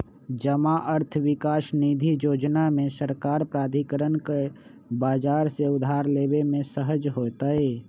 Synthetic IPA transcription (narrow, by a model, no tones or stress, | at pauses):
d͡ʒəmaʔəɾt̪ʰwɪkaːsniːd̪ʱijoːd͡ʒnamẽsəɾkaːɾpɾaːd̪ʱikəɾənke | baːd͡ʒaːɾseʊd̪ʱaːɾleːbemẽsəɦəd͡ʒɦoːt̪aɦeː